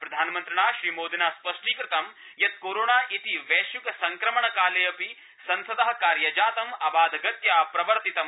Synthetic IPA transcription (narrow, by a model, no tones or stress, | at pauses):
pɾɐd̪ʱaːnmɐnt̪ɾɐɳaːʃɾiːmoːd̪inaːspɐʂʈiːkɾɪt̪ɐm | jɐt̪̚koːɾoːɳaːʔit̪iʋeːʃjukɐsɐŋkɾɐmɐɳɐkaːlejɐpi | sɐnsɐd̪ɐɦɐ̆kaːɾjɐd͡ʒaːt̪ɐmɐbaːd̪ɐɡɐt̪jaːpɾɐʋɐɾt̪it̪ɐm